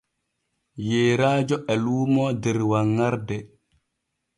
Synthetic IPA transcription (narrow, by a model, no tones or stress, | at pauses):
jeːɾaːd͡ʒoʔɛlumɔdeɾwaŋːaɾdɛ